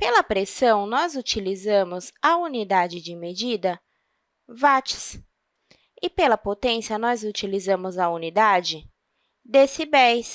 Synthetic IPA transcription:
pelɐpɾesɐ̃w̃nɔzut͡ʃilizɐ̃mʊzɐunid̪ad͡ʒɪd͡ʒɪmed͡ʒid̪ɐ | vat͡ʃɪ̥s | ɪpelɐpot̪ẽsiɐnɔzut͡ʃilizɐ̃mʊzɐunid̪ad͡ʒɪ | d̪esɪbɛjs

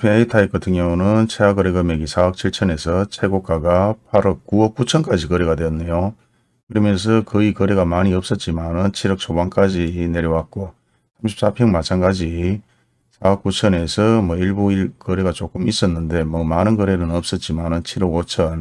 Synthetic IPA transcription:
pʰeitʰaik̚k͈ʌtʰɯŋɲʌunɯnt͡ɕʰeaɡʌɾeɡʌmeɡisʰaʌk̚t͡ɕʰiɭt͡ɕʰʌne̞sʰʌt͡ɕʰeɡok͈aɡapʰaɾʌk̚k͈uʌk̚k͈ut͡ɕʰʌnk͈ad͡ʑikʌɾeɡadweʌnːejo | kɯɾimjʌns̬ʰʌkɯikʌɾe̞ɣamaɲiʌp̚s͈ʌt̚t͡ɕ͈imanɯnt͡ɕʰiɾʌk̚sʰobank͈ad͡ʑine̞ɾjʌwat̚k͈o | sʰamɕʰi̥p̚s͈apʰjʌŋmat͡ɕʰaŋɡad͡ʑi | sʰaʌk͈ut͡ɕʰʌne̞sʰʌmwʌiɭbuiɭkʌɾe̞ɡat͡ɕok͈ɯmis͈ʌnːɯnde̞mʌmanɯnɡʌɾe̞nɯnʌp̚s͈ʌt̚t͡ɕ͈imanɯnt͡ɕʰiɾʌɡot͡ɕʰʌn

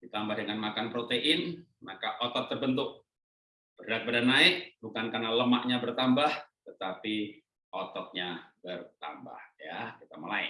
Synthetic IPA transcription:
dit̪ambahdəŋanmakanpɾot̪eʔɪn | makaʔot̪ɔt̪ːərbənt̪ʊk̚ | b̥ərdat̪̚badanaɪk̚bukankarnaləmaʔɲabərt̪ambaht̪ət̪api | ɔt̪ɔt̪̚ɲabərt̪a̰mba̰hjakit̪aməlaɪ̰

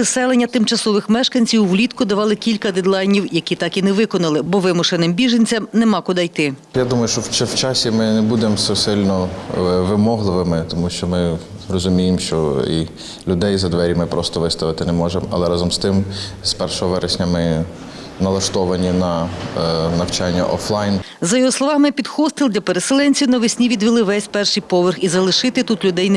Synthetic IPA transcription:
ɪsɛlˠenʲːɐt̪ɪmt͡ʃɐsɔʋɪxmɛʃkɐnʲt͡sʲiwːlʲit̪kʊd̪ɐʋɑlˠɪkʲilʲkɐd̪ɛd̪lˠɑjnʲiwjɐkʲit̪ɑkinɛʋɪkɔnɐlˠɪbɔʋɪmʊʃɪnɪmbʲiʒenʲt͡sʲɐmnɛmɑkʊd̪ɐjt̪ɪjad̪umɐjʊʃt͡ʃɔwt͡ʃɛwt͡ʃɑsʲimɪnɛbud̪emsɛsɪlʲnɔʋɪmɔɦlˠɪʋɪmɪt̪ɔmuʃt͡ʃɔmɪ | rɔzʊmʲijɪmʃt͡ʃɔ̰i | lʲʊd̪ɛjzɐd̪ʋɛɾʲimɪpɾʔɔst̪ɔʋɪst̪ɐʋɪt̪ɪnɛmɔʒemɐ̰lˠɛɾɑzɔmst̪ɪm | spɛrʃɔɦɔʋɛɾʔesʲnʲɐmɪ | nɐlˠɐʃt̪ɔʋɐnʲinɐ | nɐwt͡ʃɑnʲːɐ̰ʔɔflˠɑjnzɐjɔɦɔslˠɔʋɑmɪpʲid̪xɔst̪ɪlʲˠd̪lʲɐpeɾeselˠɛnʲt͡sʲiwnɐʋɪsʲnʲiʋʲid̪ʲʋʲilˠɪʋɛsʲpɛrʃɨjpɔʋɪrxizɐlˠɪʃɪt̪ɪt̪ut̪lʲʊd̪ɛjn

